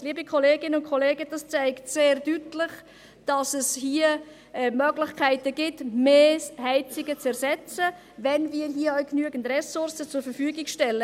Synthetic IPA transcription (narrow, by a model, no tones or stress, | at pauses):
liːbikʰɔleːɡɪnəʊntkʰɔleːɡəd̥ɑst͡saɪktseːɾd̥ytlɪχ | d̥ɑsɛshiːə | ɛmœɡlɪχkʰæɪtəɡ̥ɪtmeːhɛɪt͡sɪɡət͡sɛɾsɛt͡sə | vɛnviːəɾɦiəœʊknyəɡəntrɛsʊrsət͡sʊɾfəɾfyːɡɪkʃtɛlːə